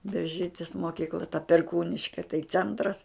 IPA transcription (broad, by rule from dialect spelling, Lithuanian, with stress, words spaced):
bʲɛrʲˈʒʲiːtʲɪs moːˈkʲiːklˠɐ tɐ pʲɛrˈkuːnʲɪʃʲkʲɛ tɐɪ ˈt͡sʲɛntrɐs